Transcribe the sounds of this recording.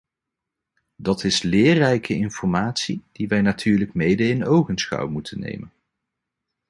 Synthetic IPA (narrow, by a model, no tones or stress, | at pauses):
dɑtʰɪslɪːrɛjkʰəɪnfɔɹmaːtsid̥iʋɛjnatʰyːɹləkmejdəɪnowχənsχɑ̰wmutʰənːḛjmən